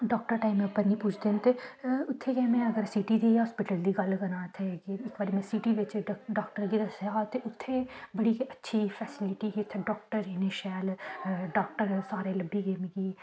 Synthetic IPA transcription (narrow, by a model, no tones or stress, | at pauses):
ɖɔːkʈəɾʈaːimẽʊpːəɾnĩːpuːt͡ʃʰd̪eːnt̪eːʊt̪ʰːeːɡɛːmɛ̃ːəɡəɾsiːʈiːd̪iːɦɔːspɪʈəld̪iːɡəlkəɾãːt̪ʰekɪkbəːɾimɛ̃ːsiːʈiːʋɪt͡ʃɖɔːkʈəɾɡiːd̪əsjat̪eːʔʊt̪ʰːeːbəɽiːkətːʃʰiːfʰɛːsɪlɪʈiːkiʊt̪ʰːeɖɔːk̚ʈəɾd͡ʒeːneːʃɛːlɖɔːkʈəɾsaːɾeːləbːiːɡeːm̃ːɡiː